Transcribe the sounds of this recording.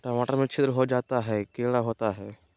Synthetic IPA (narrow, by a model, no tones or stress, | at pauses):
ʈɔmaːʈəɾmẽt͡ʃʰɪt̪ɾəɦod͡ʒaːt̪aɦɛkeːɽaɦoːt̪aɦɛː